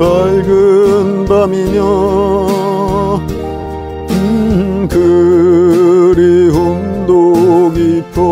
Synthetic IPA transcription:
paɭɡɯnbamimjʌ | ɯkɯ | ɾihund̪oɡipʰo

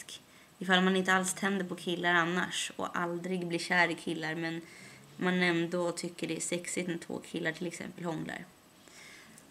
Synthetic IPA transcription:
k | ɪfalmanɪnt̪əalst̪ʰɛnd̪əɾpʰɔkʰɪlːaɾanːa̰ʂɔ̰ʔa̰ld̪ɾɪɡblɪɕæːɾɪkʰɪlːaɾmɛn | manɛnd̪ot̪ʰʏkːəɖɛæʂɛksɪt̪mɛt̪ʰvo̰ːkʰɪlːaʈʰɪlɛksɛ̰mpəlhɔŋla̰ɾ

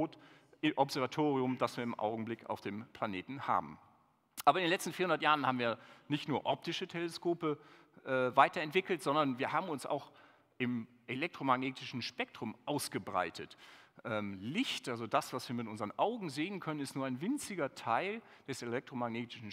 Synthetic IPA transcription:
oːtʔɪʔɔpz̥ɛɐvatʰoːʁiʊmdasv̥iːɐɪmʔa̰ʊɡŋ̩blɪka̰ʊfd̥eːmpʰl̥aneːtn̩ha̰ːbm̩ | ʔaːbɐɪndenlɛt͡stn̩fiɐhʊndɐtjaːʁən̩haːbm̩viːɐnɪçtnuːɐʔɔp̚tɪʃətʰeləskoːpə | ʔɛːvaɪtɐɛntv̥ɪkl̩tz̥ɔndɐnviːɐhaːbm̩ʊnsʔa̰ʊx | ʔɪm | ʔelɛk̚tʁ̥omaɡneːtʰɪʃn̩ʃpɛk̚tʁ̥ʊmʔaʊsɡ̥əbʁa̰ɪtʰətʔɛːmlɪçtʔalzodasv̥asv̥iːɐmɪtʔʊnzəʁənʔaʊɡŋ̩zeːənkʰœnənɪstnuːɐaɪnvɪnt͡sɪɡɐtʰaɪl | d̥ɛselɛk̚tʁ̥omaɡneːtɪ̥ʃn̩

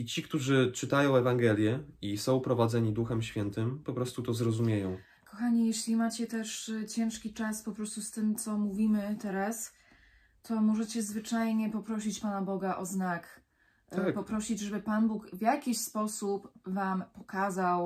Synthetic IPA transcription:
it͡ɕikt̪uʐɘt͡ʂɘt̪ajɔ̃w̃ɛvaŋɡɛlʲjɛisɔ̃w̃pɾɔvad̪zɛɲid̪uxɛmɕfʲjɛnt̪ɘmpɔpɾɔst̪ut̪ɔzɾɔzumʲjejɔ̃w̃ | kɔxaɲijɛɕlʲimat͡ɕɛt̪ɛʂt͡ɕɛ̃w̃ʂkʲit͡ʂaspɔpɾɔst̪ust̪ɘmt̪sɔmuvʲimɘt̪ɛɾas | t̪ʰɔmɔʐɛt͡ɕɛzvɘt͡ʂajɲɛpɔpɾɔɕ̬it͡ɕpanabɔɡaʔɔznak̪ | apɔpɾɔɕid͡ʑʐɛbɘpanbukvʲjakʲiɕspɔsupvampɔkazaw

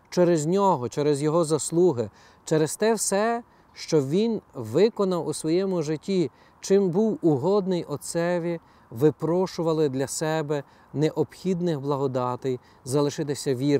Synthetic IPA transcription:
t͡ʃɛɾezʲnʲɔɦɔt͡ʃɛɾɛzʲjɔɦɔzɐslˠuɦɪ | t͡ʃɛɾest̪ɛwsɛ | ʃt͡ʃɔʋʲinʋɪkɔnɐwusʋɔjɛmʊʒɪtʲːi | t͡ʃɪmbuwʊɦɔd̪nɪjʔɔsɛʋʲi | ʋɪpɾɔʃʊʋɐlˠɪd̪lʲɐsɛbɛ | neʔɔpxʲid̪nɪxblˠɐɦɔd̪ɑt̪ɛj | zɐlˠɪʃɪt̪ɪsʲɐʋʲiɾ

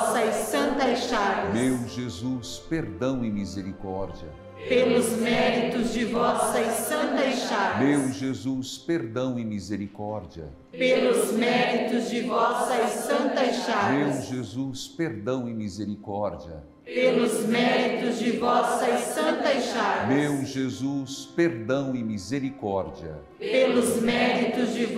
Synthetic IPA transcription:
sɐsɐ̃nt̪ɐʃavɪɐmsewʒezuspeɾd̪ɐ̃w̃ĩmizeɾikɔɾd͡ʒiɐ̰ | pelʊzmɛɾit̪ʊzd͡ʒɪvɔsɐsɐ̃nt̪ɐʃaɾvmewʒezuspeɾd̪ɐ̃w̃ɪ̃mizeɾikɔɾd͡ʒiɐ̰ | pelʊzmɛɾit̪ʊzd͡ʒɪvɔsɐɪsɐ̃nt̪ɐʃaɾmewʒezuspeɾd̪ɐ̃w̃ɪmizeɾikɔɾd͡ʒiɐ̰ | pelʊzmɛɾit̪ʊzd͡ʒɪvɔsɐɪsɐ̃nt̪ɐɪʃaɾmewʒezuspeɾd̪ɐ̃w̃ɪmizeɾikɔɾd͡ʒiɐ̰ | pelʊzmɛɾit̪ʊzd͡ʒɪ

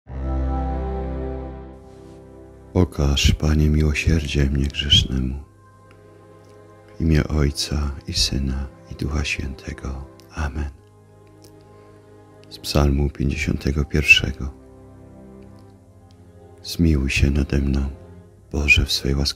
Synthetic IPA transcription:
ɔkʰaʂpaɲɛmʲiwɔɕɛɾd͡ʑɛmɲɛɡʐɛʂnɛmu | imʲjɛ̰ʔɔjt̪saisɘna | id̪uxaɕfʲjɛnt̪ʰɛɡɔ | amɛn | spsalmupʲjeɲd͡ʑeɕɔ̰nt̪ʰɛɡɔpʲjɛɾfʂɛ̰ɡɔ | z̥mʲiwɕɛnad̪ɛmnɔ̃w̃ | b̥ɔʐɛfsfɛ̰jwas

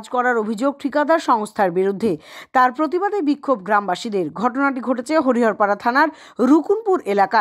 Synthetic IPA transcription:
d͡ʑkɔɾaɾobʱid͡ʑoɡ̚ʈʰikad̪aɾʃɔŋst̪ʰaɾbiɾud̪ʱːet̪aɾpɾot̪̬ibad̪ebikʰːobɡɾambaʃid̪eɾɡʱɔʈonaʈiɡʱoʈet͡ɕʰeɦoɾiɦɔɾpaɾat̪ʰanaɾ | ɾukunpuɾelaka

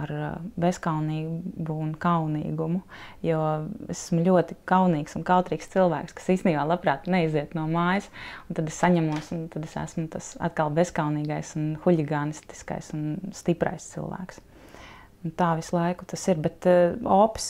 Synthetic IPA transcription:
aɾbeskawniːbuːnkaʊnḭːɡumujuɔesæ̥smulʲuɔt̪ikaʊniːksunkaʊt̪ɾiːkst̪silˠʋæːkskḁsiːst̪eniːbaːlˠapɾɑːt̪nɛiziɛt̪nuɔmaːjɪsunt̪ad̪essaɲamuɔsunt̪ad̪esæ̰smut̪asa̰t̪kalˠbeskawniːɡajsunxulʲiɡaːnist̪i̥ska̰jsunst̪ipɾa̰jst̪sḭlˠʋæ̰ːks | nt̪aːʋislˠajkʊ̥t̪asiɾbɛt̪ɔːps

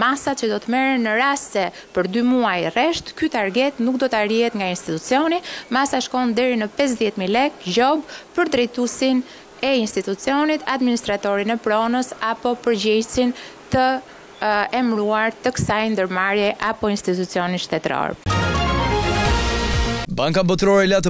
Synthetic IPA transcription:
masat͡ʃəd̪ɔt̪əmɛɾənːəɾasɛ | pəɾd̪ymuajrɛʃt̪kyt̪aɾɡɛt̪nuk̚d̪ɔt̪arihɛt̪ŋɡainst̪it̪ut͡siɔnimasaʃkɔnd̪ɛɾinəpɛs̬ðjɛt̪milɛkd͡ʑɔbpəɾd̪ɾɛjt̪usin | ɛinst̪it̪ut͡siɔnit̪ad̪minist̪ɾat̪ɔɾinɛpɾɔnəsapɔpəɾd͡ʑɛjsint̪ə | ɛmɾuaɾt̪əkə̥sajnd̪əɾmaɾjɛʔapɔinst̪it̪ut͡siɔninʃt̪ɛt̪ɾɔ̰ɾ | baŋkambɔt̪ɾɔɾɛlat̪̬

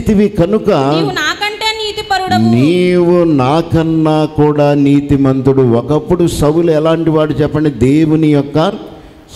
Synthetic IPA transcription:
t̪iʋikɐnukɐnaːkɐɳʈeːniːt̪iɐniːʋunaːkɐnːaːkuːɽaːniːt̪imɐnt̪uɽuɔkɐpːuɽusɐwuluɛlaːɳʈiʋaːɽut͡ʃɛpːɐɳɖid̪eːwunijɔkːɐ | s

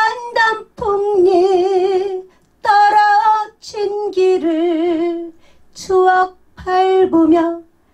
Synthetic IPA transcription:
andampʰoŋɲi | t̪ʌɾʌt͡ɕʰinɡiɾɯɭ | t͡ɕʰuak̚pʰaɭbomjʌ

